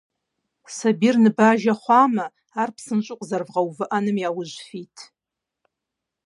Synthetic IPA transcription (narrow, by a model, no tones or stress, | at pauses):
sabirnɨbaʒaχʷamaː | rpʰsɨnt͡ʃʷʼʊqʷʼzarvʁawvɨʔanɨmjawʊʒʷfitʰʼ